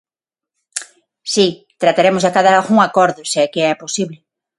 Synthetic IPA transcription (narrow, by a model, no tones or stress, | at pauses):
si | t̪ɾat̪aɾemʊzðakaðaaɣuŋakɔɾðʊseakeɛposiβlɪ